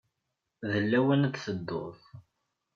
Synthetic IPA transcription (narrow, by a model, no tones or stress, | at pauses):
ðəlːæwənt͡s̪θəd̪ːo̰ðˤ